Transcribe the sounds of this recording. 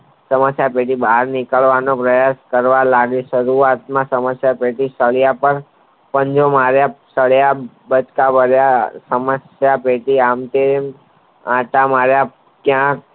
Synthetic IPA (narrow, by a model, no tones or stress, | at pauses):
səməsjapeʈibaɦaɾnɪkəɭʋanopɾəjaskəɾʋalaɡeʃəɾuat̪mãsəməsjapeʈisəɭjapəɾ | pə̃ɲd͡ʒomaɾjasəɭja | bət͡ʃkabəɾjasəməsjapeʈiamt̪eɾem | ãʈamaɾja | kjãk̚